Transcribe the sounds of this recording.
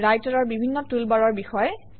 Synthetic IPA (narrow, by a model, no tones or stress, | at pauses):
ɹajtɔɹɔɹbibʱinːɔtulbaɹɔɹbixɔjɛ